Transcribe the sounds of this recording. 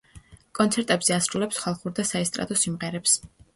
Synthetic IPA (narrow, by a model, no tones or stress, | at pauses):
kʼɔnt̪sʰɛɾt̪ʼɛbz̥ɛasɾulɛpsχalˠχuɾd̪asaɛst̪ʼɾa̰t̪ʼɔsimʁɛɾɛps